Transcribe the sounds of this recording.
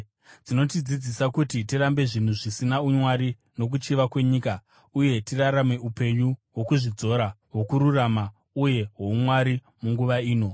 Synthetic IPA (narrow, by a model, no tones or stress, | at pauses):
d͡zino̞tid͡zid͡zisakutitirambe̞ʐin̤uʐisinaumwaɾi | no̞k̬ut͡ʃiʋakwe̞ɲiːka | uje̞tiraɾame̞upe̞ɲuwo̞kuʐid͡zo̞ɾaɦwo̞kuɾurama | uje̞ɦo̞umwaɾi | muŋɡuʋaiːno̞